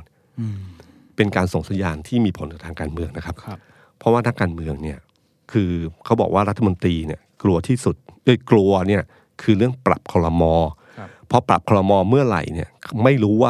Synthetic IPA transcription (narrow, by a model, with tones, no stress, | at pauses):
n | pe˧nkaː˧nso˩˦ŋsa˨˩˦njaː˧nt̪ʰiː˥˩miː˧pʰo˨˩˦nkaː˨˩t̪ʰaː˧kaː˧nmɯ˧əŋna˦˥kʰa˦˥p̚ | pʰɾɔ˧˦˥waː˥˩a˧kaː˧nmɯ˧əŋni˥˩ɐ | kʰɯː˧kʰa˦˥wbɔ̰ː˨˩k̚waː˥˩ɾa˦˥t̪ʰːmo˧nt̪ɾiː˧ni˥˩ɐklu˧ɐt̪ʰiː˥˩su˨˩t̪̚ʔɤ˥˧˩jklu˧ɐni˥˩ɐ | kʰɯː˧ɾɯ˥˩əŋpɾa˨˩p̚kʰɔː˧ɾɔ˧mɔː˧ | pʰɔ˦˥pɾa̰˨˩p̚kʰɔː˧ɾɔ˧mɔː˧mɯ˥˩ɐɾa̰˨˩jni˥˩ɐma˥˩jɾuː˦˥waː˥˩